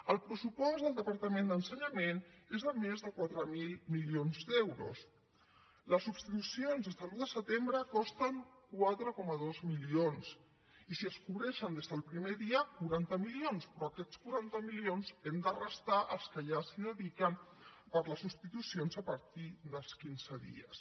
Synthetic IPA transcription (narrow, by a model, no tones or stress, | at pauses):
əlˠpɾəsupɔzd̪əlˠd̪əpəɾt̪əmẽnd̪ənsəɲəmenezðəmezðəkwat̪ɾəmilˠmilionzd̪ɛwɾṵs | ləsupst̪it̪usionzəzəluðəsət̪embɾəkɔst̪əŋkwat̪ɾəkɔməðozmilions | isiəskuβɾɛʃənd̪ezðəlˠpɾimeðiəkuɾant̪əmilionspɾɔəkɛt͡skuɾant̪əmilionzɛmd̪ərəst̪aʔəlˠskəʒasiðəðikən | pəɾləsupst̪it̪usionzəpəɾt̪iðəlˠskinzəðḭə̰s